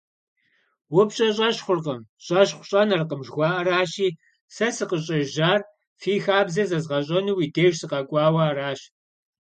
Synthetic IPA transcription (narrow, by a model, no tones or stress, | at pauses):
wʊpɕʼɐɕʼɐɕχʷʊrqɐmɕʼɐɕχʷɕʼɐnɐrqəmʒɣʷɑːʔɐɾaːɕiː | sɐsɨqəɕʼɐʒaːr | fiːxaːbzɐzɐzʁɐɕ̬ʼɐnuwiːdeːʒsɨqɐkʷʼɑːwɐːraːɕ